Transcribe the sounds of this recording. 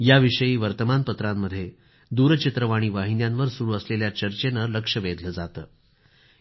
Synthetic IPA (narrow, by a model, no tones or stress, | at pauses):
jaʋiʂəjiːʋəɾt̪əmanpət̪ɾamːəd̪ʱːje | d̪uɾt͡ɕit̪ɾəʋaɽ̃iːʋaɦinjanʋəɾsuɽuəsleljat͡ɕəɾt͡ɕenələkʂəbed̪ʱləd͡zat̪əː